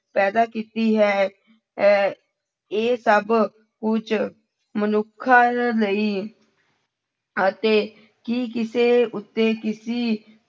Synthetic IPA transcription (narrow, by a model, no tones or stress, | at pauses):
pɛːd̪aːkiːt̪iːɦɛː | eːsəb | kʊt͡ʃ | mənʊkʰːaləiː | ət̪eː | kiːkɪseːʊt̪ːeːkɪsiː